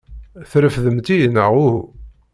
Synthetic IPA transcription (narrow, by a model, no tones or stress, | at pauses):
θɾəfðəmt̪ijənːəʁʊhu